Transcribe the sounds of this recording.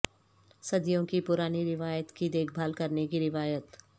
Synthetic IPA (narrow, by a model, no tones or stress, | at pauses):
sɐd̪ijõkipʊɾaːniɾɪʋaːjət̪kid̪eːk̚ʰbʱaːlkɐɾnekiɾɪʋaːjət̪